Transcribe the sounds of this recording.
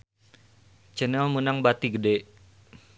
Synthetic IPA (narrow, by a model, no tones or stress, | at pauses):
t͡ʃənɛlmunaŋbat̪iɡəde